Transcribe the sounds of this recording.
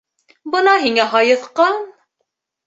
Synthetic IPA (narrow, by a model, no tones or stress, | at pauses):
bɤnɑɦiŋæɦɑjɤθqɑn